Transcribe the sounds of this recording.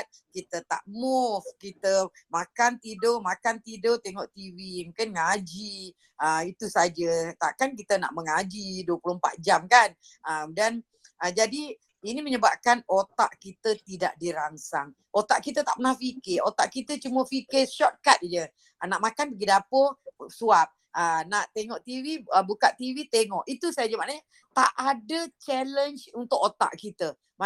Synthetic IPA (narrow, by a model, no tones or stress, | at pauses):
t̪̚ | kit̪ət̪a̰ʔmufkit̪ə | makant̪idomakant̪idot̪eŋɔʔt̪iwimukanŋad͡ʒi | əit̪usad͡ʒət̪a̰ʔkank̬it̪əna̰ʔməŋad͡ʒiduəpulohmpa̰t̪̚d͡ʒamkan | əmdan | əd͡ʒadi | iniməɲəbap̚kanot̪aʔkit̪ət̪ida̰ʔdiɾaŋsaŋ | ʔot̪aʔkit̪ət̪a̰ʔpənahfikɪot̪aʔkit̪ət͡ʃuməfikɪʃɔt̪̚kat̪̚d͡ʒə | naʔmakanpəɡidapəsuap̚ | ənaʔt̪eŋɔʔt̪iviəbukaʔt̪ivit̪eŋɔʔit̪usajd͡ʒəmaʔnaɲa | t̪aʔadət͡ʃɛlənt͡ʃunt̪ʊkot̪a̰ʔkit̪ə | ma